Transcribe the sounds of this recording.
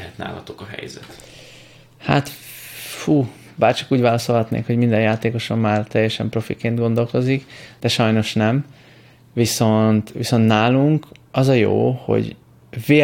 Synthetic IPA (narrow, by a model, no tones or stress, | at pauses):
ɛt̪na̰ːlɒ̰t̪okɒɦɛ̰jzɛ̰t̪ | ha̰ːt̪ | fuː | baːrt͡ʃɒkuːɟvaːlɒso̞lɦɒt̪nḛːkho̞ɟmind̪ɛnjaːt̪eːko̞ʃɒmːaːrt̪ɛjːɛʃɛ̰mpro̞fḭkeːnd̪ɡo̞nd̪o̞lko̞zikd̪̥ɛʃɒjno̞ʃnɛm | viso̞nt̪ʋiso̞nt̪naːluŋkɒzɒjo̰ːho̞̰ɟ | veː